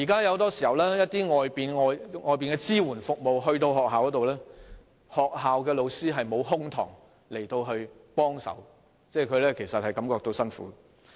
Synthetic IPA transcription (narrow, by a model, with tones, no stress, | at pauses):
ji˨kaː˥jɐ˨˧wt̪ɔː˥si̥˨˩hɐ˨˩wlɛː˥jɐ˥t̚t̪iː˥ŋɔː˨˧jpiː˨nŋɔː˨˧jŋɔː˨jp̬iː˨nkɛ˧t͡siː˥wuː˨˩nfʊ˨k̚mo˨wɦɵ˧ɥt̪o˧wɦɔː˨k̚ɦaː˨wkɔ˨˥t̪o˨wlɛː˥ | hɔː˨k̚ɦaː˨wkɛː˧lo˨˧wsiː˥ɦɐ˨jmo˨˧wɦʊ˥ŋt̪ʰɔ̰ː˨˩ŋ | le˨˩jt̪o˧wɦɵ˧ɥpɔː˥ŋsɐ̰˨˥w | t͡sɛː˥˩kʰɵ˨˧ɥlɛː˥kʰe˨˩sɐ˨t̚hɐ˨jkɐ˨˥mkɔː˧k̚t̪o˧wsɐ˥nfṵː˨˥